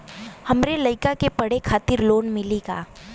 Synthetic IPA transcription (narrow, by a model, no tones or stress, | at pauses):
hɐmɾelɐɪkakepɐɽekʰaːt̪ɪɾloːnmɪliɡa̰ː